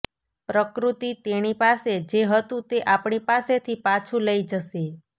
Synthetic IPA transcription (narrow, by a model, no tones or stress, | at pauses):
pɾəkɾut̪it̪eñipased͡ʒeɦət̪ũt̪eʔapɳipaset̪ʰipat͡ʃʰũləid͡ʒəʃe